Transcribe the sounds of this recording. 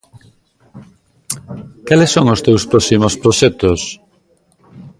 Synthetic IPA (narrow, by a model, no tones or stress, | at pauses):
kalesːoŋost̪ewspɾɔsimospɾoʃɛt̪os